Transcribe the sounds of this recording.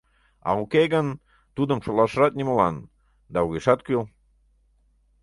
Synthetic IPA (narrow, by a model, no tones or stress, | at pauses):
ɑ̰ukeɣən | t̪ud̪əmʃolˠɑʃəɾɑt̪̚nʲiməlɑn | d̪ɑuɣʲeʃɑt̪kyl